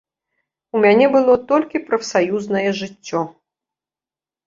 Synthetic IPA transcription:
umʲanʲɛbɨlˠɔt̪ɔlʲkʲipɾɐfsajuznɐjɛʐɨt͡sʲːɔ

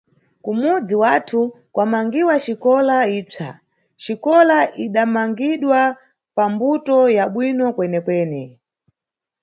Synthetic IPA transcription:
kumud͡ziwatʰu | kwamaŋɡiwat͡ʃikɔlaiːp͡ʂa̰ | t͡ʃikɔlaʔiɗamaŋɡiɗwa | pambutɔjaɓwinɔkwɛnɛkwɛːnɛ

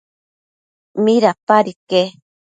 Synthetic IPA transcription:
miɾapaɾike

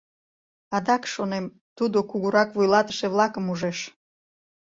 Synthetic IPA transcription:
ɑd̪ɑkʃonem | t̪ud̪okuɣuɾɑkβujlɑt̪ə̥ʃeβlˠɑkəmuʒeʃ

